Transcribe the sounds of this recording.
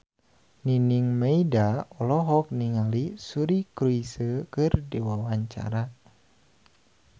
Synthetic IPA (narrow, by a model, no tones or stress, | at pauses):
niniŋmeidaɔlɔɦɔk̚niŋalisuɾikɾuisəkɨrdewawaɲt͡ʃa̰ɾa